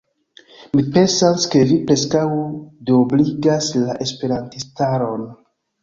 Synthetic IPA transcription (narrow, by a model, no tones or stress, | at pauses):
mipe̞nsaske̞vipɾe̞skawdobliɡaslaʔe̞spe̞ɾantistaɾo̞n